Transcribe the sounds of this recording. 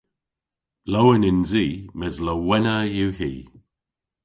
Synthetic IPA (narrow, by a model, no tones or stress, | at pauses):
lowənɪnziːmɛzləwɛnəjuhiː